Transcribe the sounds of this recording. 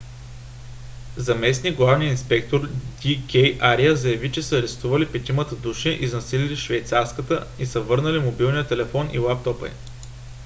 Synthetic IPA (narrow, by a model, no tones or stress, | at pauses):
zɐmɛsniɡlˠavnʲiəinspɛkt̪oɾd̪ʲikʲɛjʔaɾiəzɐjɐvit͡ʃɛsəːɾɛst̪uvəlipɛt̪imət̪əd̪uʃɛʔiznɐsililiʃvɛjt̪saɾskət̪əisəvɤɾnəlimobilˠnʲijət̪ɛlɛfɔnḭlˠap̚t̪ɔpə̰j